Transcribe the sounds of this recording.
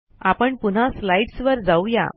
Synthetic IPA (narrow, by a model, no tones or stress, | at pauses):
apəɳpun̤aslaiʈsʋəɾd͡zauja̰